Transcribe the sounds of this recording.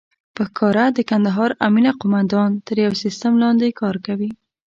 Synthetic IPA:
pəxkʰɑɾad̪əkand̪aɦɑɾaminaqʊmand̪ɑnt̪əɾjawsist̪amlɑnd̪ekɑɾkawi

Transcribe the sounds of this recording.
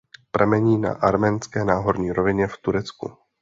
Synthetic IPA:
pɾɛmɛɲiːna̰ʔaɾmɛnskɛːnaːɦo̞ɾɲiːɾovɪɲɛft̪uɾɛt͡skṵ

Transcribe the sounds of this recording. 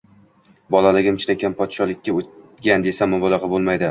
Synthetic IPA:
bɒlˠalɪɡʲɪmɪt͡ʃnakʲʰanpʰɒt̪ʃɒlˠɪkʲːaoɡʲand̪e̞samːɒbɒlˠɑqʰɑbolˠmajd̪ɪ

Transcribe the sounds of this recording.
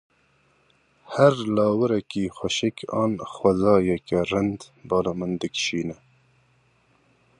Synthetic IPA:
hæɾlɑːwəɾɛkiːxʷɐʃɪkɑːnxwɐzɑːjɛkɛrɨnd̪ | bɑːlɑːmɨnd̪ɨkʃiːnɛ

